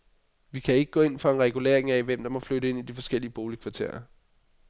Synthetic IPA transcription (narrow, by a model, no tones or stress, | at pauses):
ʋikʰæe̝ɡ̥əɡ̥ɔ̽ːe̝n̰fɒe̝nʁɛɡ̥ule̝ɐ̰eŋæʋem̰d̥ɑ̈mɒ̽fløɾəe̝n̰id̥ifɒ̽sɡ̥el̰iəb̥o̝ːlikʰʋɑ̈t͡sʰe̝̰ɐɐ